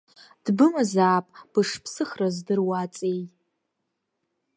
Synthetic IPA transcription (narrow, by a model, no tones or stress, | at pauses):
d̥bɨmazaːpʼb̥ɨʂpʰsɨχrazdɨrwat͡sʼejʼ